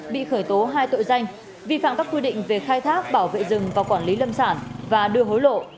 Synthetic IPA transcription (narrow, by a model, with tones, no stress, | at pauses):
ɓḭ˧˨xəː˧˩jt̪o˨˦ɦaː˧jt̪o̰˧˨jza˧jŋ̟ | vḭ˧˨fa̰ː˧˨mkaː˦˥kwi˧ɗḭ̈˧˨ŋ̟ve˨˩xaː˧jt̪ʰaː˦˥k̚ɓaː˧˩wvḛ˧˨zɨ˨˩ŋvaː˨˩wkwaː˧˩nli˨˦lə˧msaː˧˩nvaː˨˩ɗɨ˧əɦo˨˦jlo̰˧˨